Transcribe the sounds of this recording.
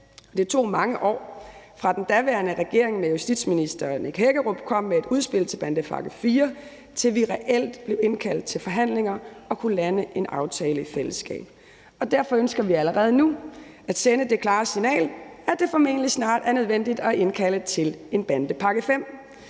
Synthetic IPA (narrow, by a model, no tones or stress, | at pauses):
ɒd̥et͡sʰo̝̰ːmɑ̈ŋəʔɒ̰ːfʁɑ̈d̥end̥æʋæɐnəʁɛɡ̥e̝ɐ̰eŋmejusd̥id̥sminisd̥ɐneɡ̥ɦeɡ̥əʁob̥̚kʰɒ̽m̰ːee̝d̥uð̞ˠsb̥e̝l̰t͡sʰe̝lb̥ænd̥əpʰɑ̈ɡ̥əfiːɐ | t͡sʰe̝lʋiʁɛʔel̰d̥b̥le̝ʊe̝nkʰæl̰d̥̚t͡sʰe̝lfɒ̽ɦæn̰le̝ŋɐɒ̽kʰulænəʔe̝nʔɑ̈ʊt͡sʰɛːləifel̰əsɡ̥ɛ̰ːb̥ | ɒ̽d̥æɐfɒ̽ønsɡ̥ɐʋiæləʁɛːð̞ˠnu | æd̥senəd̥e̝kʰlɑ̈ːsinɛ̰ːlæd̥e̝fɒ̽me̝̰ːnəlisnɑ̰̈ːd̥æɐnøð̞ˠʋen̰d̥id̥ɒe̝nkʰælət͡sʰe̝le̝nb̥ænd̥əpʰɑ̈ɡ̥əfem̰